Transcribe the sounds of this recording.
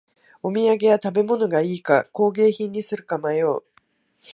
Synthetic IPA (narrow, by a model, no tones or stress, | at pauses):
o̞mʲiaɡe̞jat̪abe̞mo̞no̞ɡaiːkako̞ːɡe̞ːçĩɲ̟ːisɨɾɯ̟kamajo̞ː